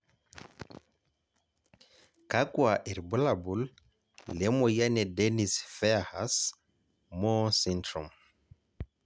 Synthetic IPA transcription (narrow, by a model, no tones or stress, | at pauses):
kakuaʔiɾbulabulː | ɛmɔjanɛdenisfɛahas | mɔsintɾum